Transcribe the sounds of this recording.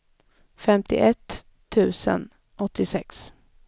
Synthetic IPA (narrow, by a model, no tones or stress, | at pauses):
fɛmt̪ɪ̰ʔɛt̪ʰː | ʉ̟ːsə̰n | ʔɔt̪ʰːɪsɛks